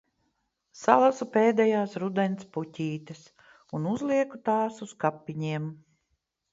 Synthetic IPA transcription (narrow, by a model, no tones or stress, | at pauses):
salˠasupeːd̪ɛjaːsɾud̪ɛnt̪sputʲiːt̪ɐs | unuzlˠiɛkut̪aːsuskapːiɲiɛm